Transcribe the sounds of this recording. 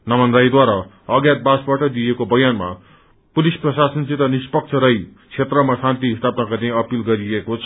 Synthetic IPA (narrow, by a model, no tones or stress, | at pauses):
nʌmʌnd̪ɾaid̪waɾa | ʌɡjat̪̚basbaʈʌd̪ijekobʌjanma̰ | pulisprʌsasʌnt͡sit̪ʌnispʌk̚t͡sʰʌɾʌj | t͡sʰet̪rʌmasãnt̪iɦist̪apnakʌɾnẽʌpilɡʌɾiekot͡sʰʌ